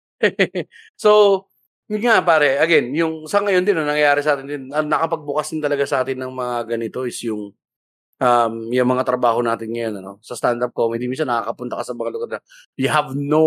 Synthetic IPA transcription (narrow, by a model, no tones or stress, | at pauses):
so | mŋapaːɾɛʔɐɡɛnjʊŋsɐŋɐjond̪ɪnonɐŋjɐjaːɾɛsɐʔaːt̪ɪnd̪ɪnɐnɐkɐpɐɡ̚bʊkasd̪ɪnt̪ɐlɐɡasɐʔaːt̪ɪnːɐŋmɐŋaɡɐnɪt̪o̞ɪsjʊŋ | ʔɐmjʊŋmɐŋat̪ɾɐbaːɦo̞naːt̪ɪnŋɐjo̞nɐno̞sɐst̪and̪ɐp̚kohɪnd̪iminsɐnːɐkakɐpʊnt̪ɐ̰kasɐmɐŋalʊɡɐɾnɐ | jʊɦɐvno